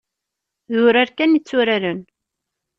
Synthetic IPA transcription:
ðʊɾaɾkænit͡sːʊɾaɾən

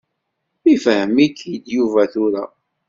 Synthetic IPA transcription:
ifhəmikʰːjid̪juvæθʊɾæ

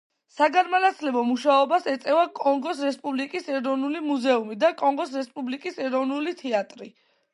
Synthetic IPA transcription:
saɡaɾmanat̪sʰlɛbɔmuʃaɔbasɛt̪sʼɛvakʼɔŋɡɔsɾɛspʼublikʼisɛɾɔvnulimuzɛumid̪akʼɔŋɡɔsɾɛspʼublikʼisɛɾɔvnulit̪ʰɛat̪ʼɾi

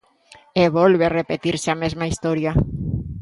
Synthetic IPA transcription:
eβɔlβerepet̪iɾseamezmaist̪ɔɾja

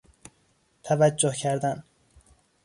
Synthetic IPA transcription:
t̪ʰævæd͡ʒːohcʰæɾd̪æn

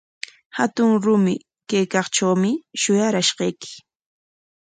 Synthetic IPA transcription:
hat̪ʊŋɾʊmɪ | kajkɑχʈ͡ʂawmɪʃʊjaɾaʃɢɑjkɪ̥

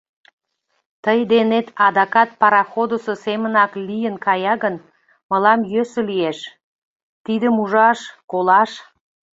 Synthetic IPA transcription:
t̪əjd̪enet̪ɑd̪ɑkɑt̪̚pɑɾɑxod̪osəsemənɑklijənkɑjɑɣən | mə̆lɑmjøsə̆lieʃ | t̪id̪əmuʒɑʃkolɑʃ

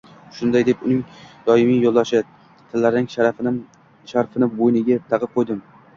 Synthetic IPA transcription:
ʃʊnd̪ajd̪e̞pʊnɪŋd̪̥ɒɪmijjolˠd̪aʃɪ | t̪ʰɪlːaɾɪnɪŋʃ | ʃaɾfɪnɪbojnɪɡʲat̪ʰɑʁɨqʰojd̪ɪm

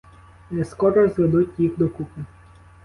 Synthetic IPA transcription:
nɛskɔɾɔzʋed̪utʲjixd̪ɔkukɪ

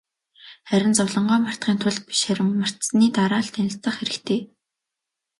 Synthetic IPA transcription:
χæɾʲɪ̆nt͡sʊwɮɞ̆ɴɢɔːmar̥t̪̚ɢiːnt̪ʰʊɮt̪̚pi̥ʃχæɾʲɪ̆ŋmar̥t̪sniːt̪aɾaːɬt̪ʰenɪ̆ɬt͡sə̆χxeɾɘ̆kt̪ʰeː

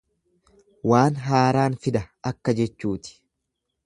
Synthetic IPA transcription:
waːnɦaːɾaːnfɪd̪ɐɐkːɐd͡ʒɛt͡ʃːuːt̪ɪ̥

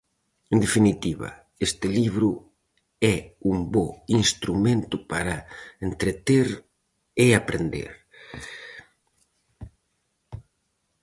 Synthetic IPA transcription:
end̪efinit̪iβɐ̰ | est̪ɪliβɾʊ | ɛumbɔinst̪ɾumẽnt̪ʊpaɾaent̪ɾet̪eɾ | eapɾend̪ḛɾ

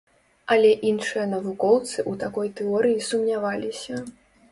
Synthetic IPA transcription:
ɐlʲɛʔinʂɨjɐnɐvukɔwt̪sɨʔut̪akɔjt̪ɛɔɾɨjisumnʲavalʲisʲɐ

